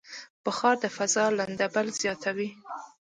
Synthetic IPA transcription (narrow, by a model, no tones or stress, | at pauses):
pəxɑɾd̪əfazɑland̪abalz̥jɑt̪ʰawi